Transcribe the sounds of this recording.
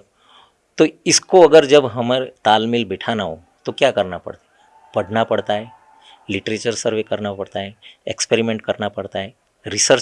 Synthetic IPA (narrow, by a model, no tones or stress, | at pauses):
t̪oɪskoɐɡəɾd͡ʒɐbɦɐmt̪aːlmɪlbɛʈʰanaɦo̰ | t̪okjakɐɾnapɐ̰ɽt̪ḁ | pɐɽnapɐɽt̪aɦɛː | lɪʈɾeːt͡ʃəɾsəɾʋekɐɾnapɐɽt̪aɦɛḛkspeɾimẽɳʈ̚kɐɾnapɐɽt̪aɦɛ | ɾɪsəɾt͡ʃ